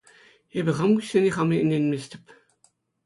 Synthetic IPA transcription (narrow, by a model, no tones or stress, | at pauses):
ebʲɘ̆χɑmɡuɕʲːenʲiχɑmiɘ̆nʲenʲmʲest̪ʲɘ̥̆p